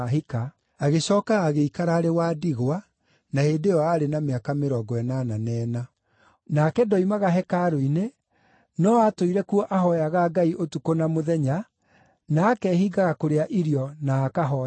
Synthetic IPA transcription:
ɦika | aɣeɕɔːkaːɣeikaɾaːɾewaːdiɣowa | naheːndejɔaɾenameakameɾɔːɡɔɛnananɛːna | nakɛdɔimaɣaɦɛkaɾoine | nɔatoiɾɛkuɔʔaɦɔjaɣaɡaiʔotukonamoðɛɲa | naːkɛhiːɡaɣakoɾeaʔiɾiɔnaːkaɦɔ

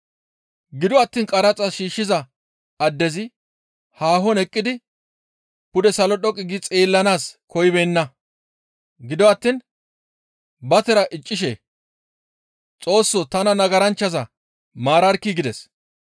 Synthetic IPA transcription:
ɡɪd̪ɔɐt̪ːiːnkʼɐɾɐt͡sʼɐʃiːʃːɪzɐ | ɐd̪ːɛzɪ | haːɦɔnɛkʼːɪd̪ɪ | pʊd̪ɛsɐlɔɗɔkʼːɪɡɪt͡sʼeːlːɐnaːskɔjɪbeːnːɐ | ɡɪd̪ɔɐt̪ːiːn | bɐt̪ɛɾɐʔɪt͡ʃʼːɪʃ̬ḛː | t͡sʼo̞ːsːɔt̪ɐnɐnɐɡɐɾɐnt͡ʃːɐzɐ | maːɾɐɾkːɪɡɪd̪ɛs

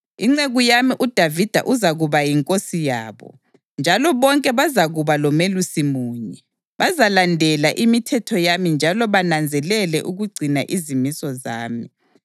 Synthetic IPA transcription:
iŋ͡ǀeɣujamiʔud̥ʱavid̥ʱa̰ʔuzaɣuβajiŋkʼosijaːβɔ̰ | nd͡ʒʱalɔβɔŋkʼɛβazaɣuβalɔmelusimuːɲɛ | βazalandʱɛlaʔimitʰɛtʰɔjamind͡ʒʱalɔβanand͡zʱɛlɛlɛʔuɣuɡ͡ǀʱinaʔizimisɔza̰ːmi

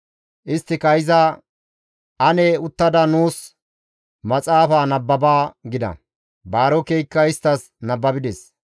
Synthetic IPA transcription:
ʔɪst̪ːɪkɐjɪzɐ | ɐnɛʊt̪ːɐd̪ɐnuːs | mɐt͡sʼaːfaːnɐbːɐbaːɡɪd̪ɐ̰ | baːɾɔkejkːɐɪst̪ːɐs | nɐbːɐbɪd̪ɛs

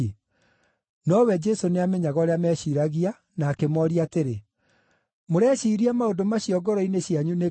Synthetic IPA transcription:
nɔwɛd͡ʒɛsoneameɲaɣɔɾeamɛːɕiːɾaɣia | naːkemɔɾiateɾe | moɾɛɕiːɾiamaodomaɕjɔɡɔɾɔineɕiaɲune

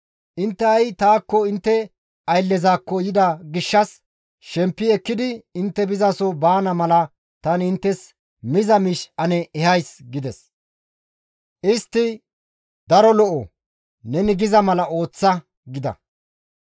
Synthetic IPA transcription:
ʔɪnt̪ːɛɐjt̪aːkːɔɪnt̪ːɛ | ɐjlːɛzaːkːɔjɪd̪ɐɡɪʃːɐs | ʃɛmpːɪɛkːɪd̪ɪɪnt̪ːɛbɪzɐsɔbaːnɐmɐlɐ | t̪ɐnɪnt̪ːɛs | mɪzɐmɪʃɐnɛːhɐjsɡɪd̪ɛs | ʔɪst̪ːɪ | d̪ɐɾɔlɔʔɔ̰ | nɛnɪɡɪzɐmɐlɐʔo̞ːt͡sːɐ | ɡɪd̪ɐ̰

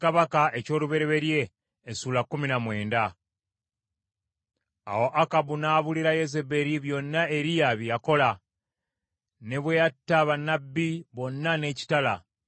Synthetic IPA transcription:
kaβakaʔe̞co̞ːluβe̞ɾe̞βe̞ɾje̞ː | suːlakːuminamwe̞ːnda | a̰wo̞ʔakabunaːβuliɾaje̞ze̞be̞ɾiβjo̞nːae̞ɾijaβijako̞la | ne̞βwejatːaβanːabːiβo̞nːane̞ːci̥tala

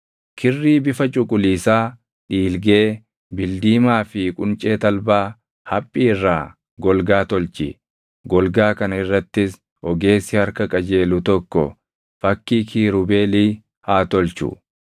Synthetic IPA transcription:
kʰɪrːiːbɪfɐt͡ʃʼʊkʼʊliːsaː | ᶑiːlɡe̞ː | bɪld̪iːmaːfɪkʼʊnt͡ʃʼe̞ːt̪ɐlbaː | hɐpʼːiːɪrːaː | ɡɔlɡaːt̪ɔlt͡ʃɪ̰ | ɡɔlɡaːkɐnɪrːɐt̪ːɪs | ɔɡe̞ːsːɪhɐɾkɐkʼɐd͡ʒe̞ːlʊt̪ɔkːɔ̰ | fɐkːiːkʰiːɾʊbe̞ːliː | haːt̪ɔlt͡ʃʊ̰

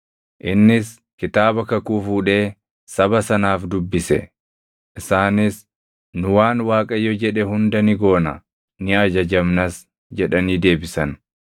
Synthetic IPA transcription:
ʔɪnːɪs | kɪt̪aːbɐkɐkuːfuːᶑe̞ː | sɐbɐsɐnaːfd̪ʊbːɪsɛ̰ | ʔɪsaːnɪs | nʊwaːnwaːkʼɐjɔd͡ʒɛᶑɛhʊnd̪ɐnɪɡo̞ːnɐ̰ | nɪɐd͡ʒɐd͡ʒɐmnɐs | d͡ʒɛᶑɐniːd̪e̞ːbɪsɐn

